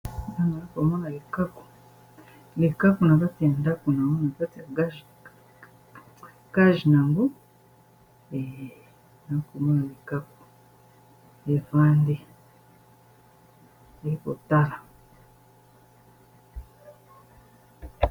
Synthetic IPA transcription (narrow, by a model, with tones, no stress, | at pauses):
na˦na˨ɾa˦ko˨mo˦na˨li˨ka˦ku̥˨ | li˨ka˦ku˨na˨βa˦ti˨e˨nda˦ku˨na˨ŋɡu˦na˨βa˦tɡa˦ | ka˦ʒi˨na˨ŋɡu˦ | e˨ | na˨a˦ko˨mo˦na˨li˨ka˦ku̥˨ | e˨vaː˦ndi˦ | e˦ko˨ta˦la˨